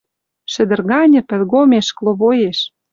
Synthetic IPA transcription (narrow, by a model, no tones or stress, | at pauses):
ʃɘ̆d̪ɘ̆rɣɑnʲɘ̆pɘ̆lʲɣomeʃklˠoβojeʃ